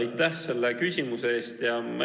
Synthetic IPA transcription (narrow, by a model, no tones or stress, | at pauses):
jt̪ːˑæhse̞lːe̞kysʲimuse̞eːst̪jɑmæ